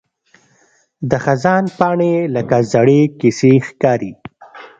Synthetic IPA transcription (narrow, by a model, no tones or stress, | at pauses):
d̪əxazɑnpɑɳeləkazaɽekisexkɑɾi